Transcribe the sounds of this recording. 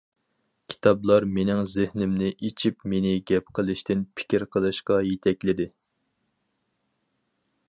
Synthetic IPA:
kʲʰi̥t̪ʰɑblˠɑɾmenɪŋzɪhnɪmnɪʔet͡ʃʰipmenɪɡʲɛp̚qʰəlˠɨʃt̪ɪnpʰɪ̥kʲiɾqʰəlˠɨʃqɑjet̪ʰɛkʲlɪd̪ɪ

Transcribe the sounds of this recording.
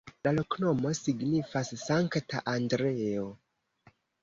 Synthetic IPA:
lalo̞kno̞mo̞siɡnifasːaŋktʰaʔandɾeo

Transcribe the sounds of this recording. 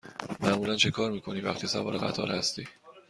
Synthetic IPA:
mæʔmuːlænt͡ʃʰe̞kʰɒːɾmiːkʰo̞nivæxt̪ʰisæ̰vɒ̰ːɾeɣæ̰t̪ʰɒ̰ːɾhæst̪iː

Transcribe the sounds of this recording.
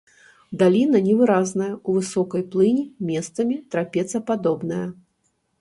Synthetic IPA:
d̪alʲinɐnʲɛvɨɾaznɐjɐuvɨsɔkɐjplˠɨnʲimʲɛst̪sɐmʲit̪ɾapʲɛt̪sɐpad̪ɔbnɐjɐ

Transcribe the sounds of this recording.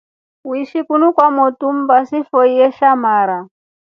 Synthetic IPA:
wiʃikunukwamɔtum̩basifɔijɛʃamaːɾa

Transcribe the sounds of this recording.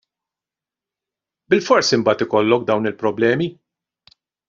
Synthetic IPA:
bɪlfɔɾsimbɐːt̪ɪkɔlːɔk̚d̪ɐwnɪlpɾɔblɛːmi

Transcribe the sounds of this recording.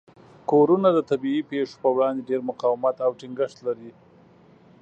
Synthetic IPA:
koɾunad̪ət̪abiipeʂo̥pəwɽɑnd̪eɖeɾmʊqɑwɪmat̪awʈiŋɡəʃt̪laɾi

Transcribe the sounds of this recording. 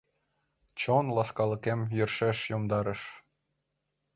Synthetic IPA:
t͡ɕonlɑskɑlə̆kemjørʃeʃjomd̪ɑɾə̆ʃ

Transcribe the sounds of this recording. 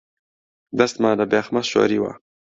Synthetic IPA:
d̪ast̪mɑːd̪əbeːxmaʃo̰ːɾiwa̰

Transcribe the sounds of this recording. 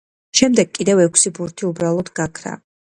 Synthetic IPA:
ʃɛmd̪ɛɡkʼid̪ɛvɛkʷʰsibuɾt̪ʰiubɾalˠɔd̪ɡakʰɾa̰

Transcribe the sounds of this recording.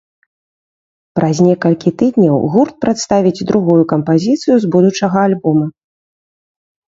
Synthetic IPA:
pɾʔazʲnʲɛkɐlʲkʲit̪ɨd̪ʲnʲɐwɣurt̪̚pɾat̪st̪avʲid͡zʲd̪ɾuɣujukɐmpazʲit̪sɨjuzbud̪ut͡ʂɐɣɐalʲbɔmɐ

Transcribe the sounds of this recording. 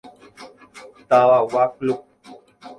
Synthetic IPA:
t̪awawaklop̚

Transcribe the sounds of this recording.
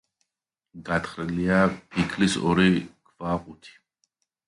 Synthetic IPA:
ɡat̪χɾiliapʰikʰlisɔ̰ɾikʰvaqʼut̪ʰi̥

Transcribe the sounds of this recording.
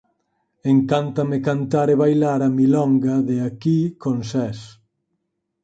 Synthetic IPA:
eŋkant̪ɐmekant̪aɾeβajlaɾamilɔŋɡaðeakikonsɛs

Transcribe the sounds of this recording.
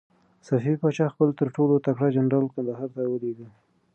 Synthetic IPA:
safiɾpɑt͡ʃɑxpəlt̪əɾʈolot̪akɽad͡ʒanɾɑlkand̪aɦɑɾt̪awəleɡə

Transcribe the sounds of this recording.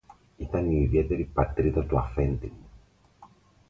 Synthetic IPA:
it̪aniiβjet̪eɾipat̪ɾit̪ot̪uafent̪im

